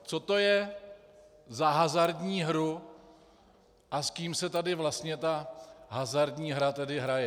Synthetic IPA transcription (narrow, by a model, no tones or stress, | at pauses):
t͡so̞t̪o̞jɛ | zaɦazaɾdɲiːɦɾu | ʔaskiːmsɛt̪adɪvlast̪ɲɛt̪aɦazaɾdɲiːɦɾat̪ɛdɪɦɾajɛ